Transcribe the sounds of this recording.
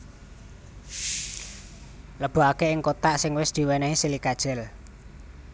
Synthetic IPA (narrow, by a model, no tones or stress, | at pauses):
ləb̥ṳakeɪŋkot̪aʔsɪŋwɪsd̪̥i̤wɛnɛɦisilikad̥ʒ̥ɛ̤l